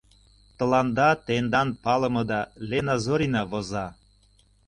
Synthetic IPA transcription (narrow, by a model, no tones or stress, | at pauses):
t̪ɤ̆lɑnd̪ɑt̪end̪ɑnpɑlɤ̆mɤ̆d̪ɑlʲenɑzoɾʲinɑβozɑ